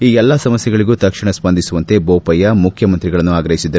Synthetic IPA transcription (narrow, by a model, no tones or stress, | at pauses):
iːɛlːɐsɐmɐsjɐɡɐɭiɡuːt̪ɐkʂiɳɐsbɐnd̪isuʋɐnt̪e̞boːpɐjːɐmukʰjɐmɐnt̪ɾiɡɐɭɐnːuaːɡɾɐɦisid̪ɐ